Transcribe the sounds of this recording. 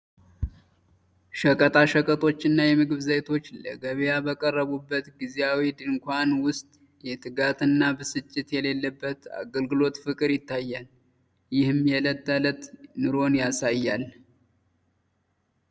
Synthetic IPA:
ʃəkʼət̪ʼaʃəkʼət̪ʼo̞t͡ʃːɨnːajɛmɨɡɨβzəjt̪ʰo̞t͡ʃːlə̰ɡəβjabəkʼərːəβubːət̪ɡizeawid̪ɨŋkʷanwʊst̪ʼ | jɛt̪ʰɨɡat̪ʼɨnːabəsɨt͡ʃʼːɪt̪jɛle̞lːəbːət̪a̰ɡəlɡɨlo̞t̪fɨkʼɨɾjɪt̪ʰːajːal | jɪhɨmjɛlət̪ːalət̪nɨɾo̞njasajːal

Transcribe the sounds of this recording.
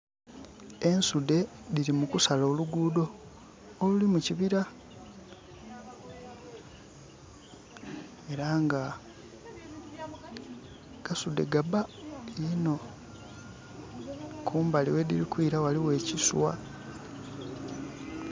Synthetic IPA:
e̞nsude̞diɾimukusalo̞ːluɡuːdo̞ː | lulimuciβiɾa | e̞ɾaŋɡa | ɡ̥asude̞̰ɡabaino̞ | kʰuːmbaliwe̞dḭɾikwiːɾawaliwe̞ːciswa̰

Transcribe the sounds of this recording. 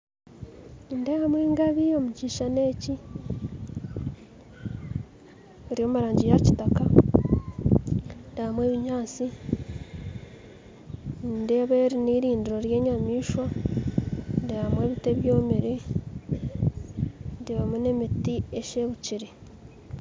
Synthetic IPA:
ndehamweːŋɡaβio̞muciːʃane̞ːci | eɾijo̞ːmuɾaːɲɟijaci̥taka | ndehamwe̞ːβiɲaːt͡si | nde̞ːβeːɾiniɾiːndiɾo̞ɾje̞ːɲamiːʃwa | ndehamwe̞ːβite̞βjo̞ːmeɾe | ndeβamune̞mitieʃe̞ːβuciɾe

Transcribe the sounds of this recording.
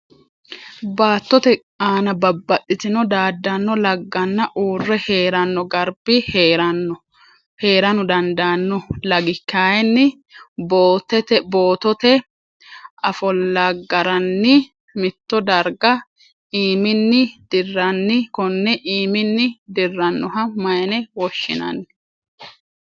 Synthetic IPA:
baːt̪ːɔt̪ɛkʼaːnɐbɐbːɐʔːɪt̪ɪnɔd̪aːd̪ːɐnːɔlɐɡːɐnːɐʔuːrːɛheːɾɐnːɔɡɐɾb̥ɪheːɾɐnːɔ | he̞ːɾɐnʊd̪ɐnd̪anːɔlɐɡɪkːaːjɛnːɪ | boːt̪ɛt̪ɛboːt̪ɔt̪ɛ | ʔɐfɔlːɐɡːɐɾɐnːɪ | mɪt̪ːɔd̪ɐɾɡɐ | iːmɪnːɪd̪̥ɪrːɐnːɪkɔnːɛʔiːmɪnːɪd̪ɪrːɐnːɔɦɐmɐjɛnɛwɔʃːɪ̰nɐ̰nːɪ

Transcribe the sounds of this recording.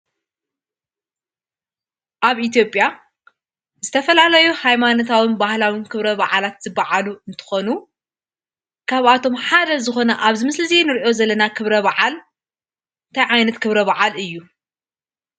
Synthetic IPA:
ʔaβit̪ʰjo̞pʼːja | zɨt̪ʰɐfɐlalɐjuhajmanot̪ʰawinbahlawinkʰɨβɾɐβaʕalat̪z̥ɨbːaʕaluɨnt̪ʰɨ̥xo̞nu | kʰaβat̪ʰo̞mħad̪ɐzɨxo̞nɐʔaβzɨmɨslɨzenɨɾiʔo̞zɐlːɐnakʰɨβɾɐβaʕal | ɨnt̪ʰajʕajnɐt̪kʰɨβɾɐβaʕalɨjːu

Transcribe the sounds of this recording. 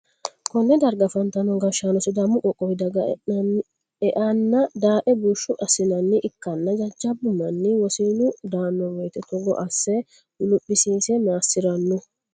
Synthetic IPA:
kɔnːɛd̪ɐɾɡɐfɐnt̪ɐnɔɡɐʃanɔsɪd̪ɐmːʊkʼɔkʼːɔwɪd̪ɐɡɐ | ɛʔɐnːɐd̪aːʔɛbuʃːʊʔɐsɪnɐnːɪʔɪkːɐnːɐd͡ʒɐd͡ʒɐbːʊmːɐnːɪwɔsiːnʊd̪aːnːɔwɔjt̪ɛt̪ɔɡɔ̰ʔɐsːɛ | lʊpʼːɪsiːsɛmaːsɪɾɐnːʊ

